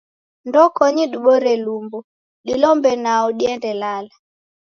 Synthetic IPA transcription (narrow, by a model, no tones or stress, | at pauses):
ndɔkɔɲiɗuɓɔɾɛlumbɔ | ɗilɔmbɛnaɔɗiɛndɛlala